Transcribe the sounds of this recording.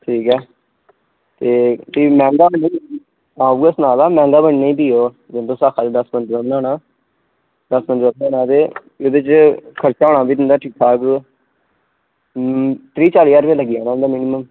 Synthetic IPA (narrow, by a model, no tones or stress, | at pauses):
ʈʰiːkɛː | t̪eːtiːmɛ̃ːŋɡaːbəne | ãːuːəsnaːlaːmɛ̃ːŋɡaːbənːneːiːb̪iːoː | d͡ʒ̪ɪnd̪õːsaːkʰaːd͡ʒed̪əsmənd͡ʒɾəmnãːnaː | d̪əsmənd͡ʒɾəbnãːnãːt̪eː | oːd̪ɪt͡ʃkʰəɾt͡ʃaːoːɳãːbiːd̪ɪnd̪aːʈʰiːkʰaːk | t̪ɾiːt͡ʃaːliːjaːɾbeːləɡijaːnaːɪnd̪aːmɪnɪməm